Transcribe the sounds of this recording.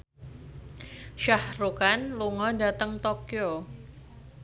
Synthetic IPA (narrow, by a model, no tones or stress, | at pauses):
ʃahrukanluŋɔdat̪əŋt̪okjo